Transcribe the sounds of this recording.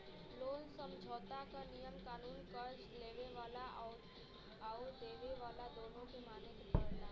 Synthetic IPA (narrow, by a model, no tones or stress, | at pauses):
loːnsəmd͡ʒʱɔːt̪akanijəmkaːnuːnkəɾd͡ʒleːʋeʋaːla | aud̪eʋeʋaːlad̪oːnõkemaːnet̪pəɽlaː